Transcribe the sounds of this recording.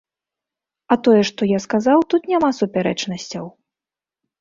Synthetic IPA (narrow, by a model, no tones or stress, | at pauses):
ɐt̪ɔjɛʂt̪ɔjaskazawt̪ut̪nʲamasupʲaɾɛt͡ʂnɐsʲt͡sʲɐw